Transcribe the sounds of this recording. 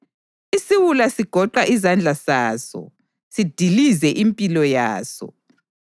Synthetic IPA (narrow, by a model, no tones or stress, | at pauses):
isiwulasiɡ̥ʱɔǃaʔizand͡ɮʱasaːsɔ̰ | sid̥ʱilizɛʔimpʼilɔjaːsɔ̰